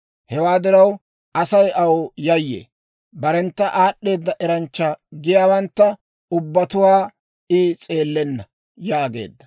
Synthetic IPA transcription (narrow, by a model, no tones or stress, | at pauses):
hɛwaːd̪ɪɾɐw | ʔɐsɐjɐwjɐjːḛː | bɐɾɛnt̪ːɐʔaːɗːe̞ːd̪ːɐʔɛɾɐnt͡ʃːɐɡɪjaːwɐnt̪ːɐ | ʊbːɐt̪ʊwaː | ɪt͡sʼe̞ːlːɛnːɐ | jaːɡe̞̰ːd̪ːɐ̥